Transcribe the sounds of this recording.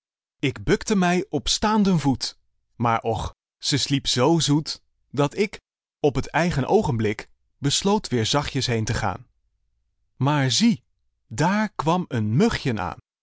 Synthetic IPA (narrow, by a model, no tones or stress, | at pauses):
ɪɡbɵktəmɛjɔpstaːndənvut | maːɹʔɔχ | z̥əslipz̥owzut | dɑtɪk | ɔpɦətɛjχənʔowχəmblɪk | bəslowtʋɪːɹzɑχjəsɦejntəχa̰ːn | maːɹzi | daːɹkʋɑmənmɵχjəna̰ːn